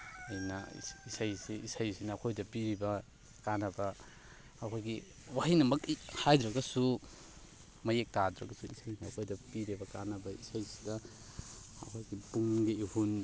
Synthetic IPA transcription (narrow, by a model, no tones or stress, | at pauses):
ajnɐ̰isʰajsiisajsinɐːkʰojdɐpiɾibɐ | kanɐbɐː | kʰojɡi | waɦinɐmɐk̚ihajdɾɐɡɐsu | mɐjek̚tadɾɐɡɐsuisʰajiniɐkʰojdɐpiɾibɐkanɐbɐisajsi̥dɐ | ɐ̰kʰojɡipuŋɡiihun